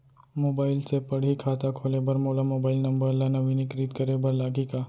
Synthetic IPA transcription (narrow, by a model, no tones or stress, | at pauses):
moːbaːɪlsepɐɽ̤ikʰaːt̪akʰoːlebɐɾmoːlamoːbaːɪlnɐ̃mbəɪlːanɐʋinɪkɾiːt̪kɐɾebɐɾlaːɡikaː